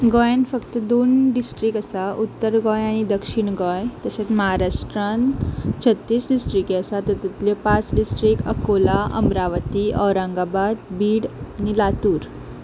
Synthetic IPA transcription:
ɡɔjãnfəkt̪əd̪onɖisʈɾikəsaʔut̪ːəɾɡɔ̃jaɽ̃id̪əkʂiɳɡɔjt̪əɕat͡sməɦaɾaʂʈɾãnt͡ɕʰət̪ːiːsɖisʈɾikiəsat̪ət̪it̪ljɔpat͡sɖisʈɾikəkolaʔə̰mɾaʋət̪iʔɔʋɾãŋɡabad̪biːɽañilat̪uːɾ

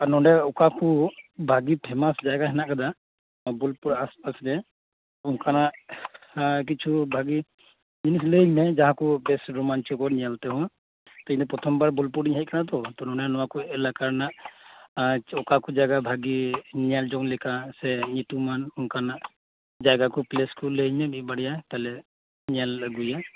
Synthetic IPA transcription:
anɔɖɛɔkakubʱaɡipʰɛmasd͡ʒajɡaɦɛnaʔkad̪a | bulpuɾaspasɾɛ | ukanaʔ | k̬it͡ʃʰubʱaɡi | d͡ʒinis̬ləjnajd͡ʒaɦãkubɛsɹɔmant͡ʃiɔkɔnijalt̪ɛɦɔ̃ | t̪ɛinɛpɹɔt̪ʰɔmbaɹbɔlpuɾdiɲɦaj̚kanat̪̬ɔt̪ɔnɔnanɔwakuɛlakaɹnaʔ | ɔkakɔd͡ʒaɡabʱaɡiniald͡ʒɔŋlɛkasɛnit̪umanũkanaʔ | d͡ʒaɡakɔpleskuləiɲabibaɽijat̪alɛ | nijalɡuja

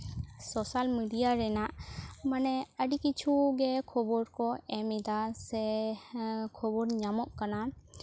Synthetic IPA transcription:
sɔsalmiɖijaɾɛnaʔmanɛəɖikit͡ʃʰuɡɛkʰɔbɔɾkɔɛmid̪asɛ | kʰɔbɔɾɲamɔʔkana

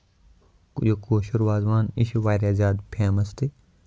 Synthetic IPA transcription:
jokoːʃuɾʋaːzʋaːnɪʃʋaːɾaːzʲaːd̪pʰaːmɐst̪i

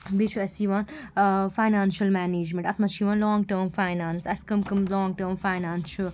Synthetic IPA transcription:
bet͡ʃʰuɐsiːʋaːnfaːɪnaːnʃɐlmæːneːd͡ʒmẽɳʈɐt̪ʰmɐt͡ʃʰiːʋaːnlɔːŋɡʈəːmfaːɪnaːnsɐskɐmkɐmlɔːŋɡʈəːɾmfaːɪnaːnʃɐl

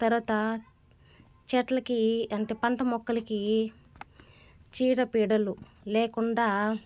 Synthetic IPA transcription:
t̪ɐɾuʋɐːt̪ɐ | t͡ʃɛʈlɐkiɐɳʈeːpɐɳʈɐmɔkːɐlɐki | t͡ʃiːɽɐpiːɽɐlu | leːkuɳɖaː

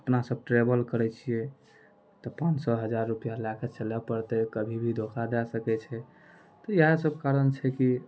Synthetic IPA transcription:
əpnasəb̚ʈɾebəlkəɾɛt͡ʃʰiɛ | t̪ɔpãnsɔɦəd͡ʒaɾːupijalaket͡ʃəlɛpəɾt̪ɛkəbʱibʱid̪ʱokʰad̪ɛsəkɛt͡ʃʰɛ | t̪ɔjɦasəb̚kaɾənt͡ʃʰɛki

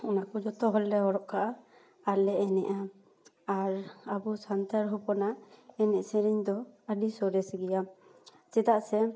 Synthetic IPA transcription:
ɔnakud͡ʒɔt̪ɔɦɔlːɛɔɾɔʔkaʔa | aɾlɛɛnɛ̰ʔa | aɾabusant̪aɾɦupɔnaɛnɛʔsɛɾiɲd̪ɔəɖisɔɾɛsɡɛja | t͡ʃɛt̪aʔsɛ

